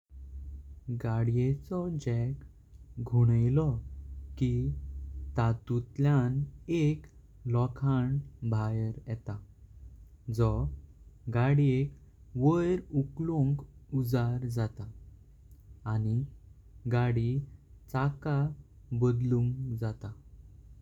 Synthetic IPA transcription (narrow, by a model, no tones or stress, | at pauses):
ɡaɽjet͡sɔd͡ʑɛk | ɡʱuɽ̃əjlɔki | t̪at̪ut̪ljanek | lɔkʰaɳbʱajəɾjɛt̪a | d͡zɔ | ɡaɽiekʋəjɾuklõŋkud͡zaɾd͡zat̪a | ni | ɡaɽit͡saka | bəd̪lũŋɡd͡zat̪a